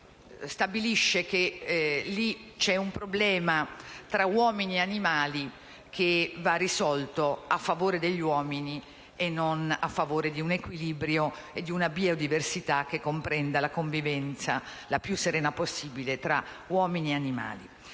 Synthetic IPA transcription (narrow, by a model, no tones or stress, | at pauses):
st̪abiliʃːekelit͡ʃɛumpɾoblɛːmat̪ɾawɔːminieanimaːli | kʰevarːisɔlt̪oafːavoːɾed̪eʎːiwɔːmini | enːona̰fːavoːɾed̪iunekwiliːbɾjo | ed̪ːiunabiod̪iversit̪ak̟ːekːompɾɛnd̪alakoɱvivɛnt̪salapjusːeɾɛːnaposːiːbilet̪ɾawɔːminieanima̰ːlḭ